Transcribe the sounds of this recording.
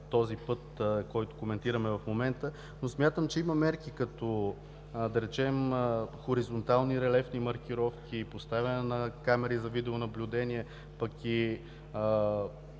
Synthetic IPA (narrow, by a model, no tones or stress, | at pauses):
t̪ɔzipɤt̪kɔjt̪ʊ̥komɛnt̪iɾəmɛvɐfmomɛnt̪ə | nosmʲjat̪əmt͡ʃɛimɐmɛɾkikɐt̪ɔ | d̪ɐɾɛt͡ʃɛməxoɾizont̪alˠniɾɛlɛfnimɐɾk̟ʲiɾɔfk̟ʲipost̪avʲɐnɛnɐkamɛɾizɐvid̪ɛʊnɐblʲʊd̪ɛniɛ | pɐki